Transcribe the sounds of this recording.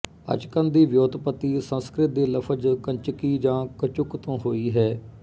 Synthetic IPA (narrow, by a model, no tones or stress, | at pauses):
ə̰t͡ʃkə̃nd̪iːʋjoːd̪pət̪ːiːsə̃nskɾɪt̪̚d̪eːləpʰəd͡ʒkəɲt͡ʃəkiːd͡ʒãːkət͡ʃʊkt̪õːɦoːiːɦɛː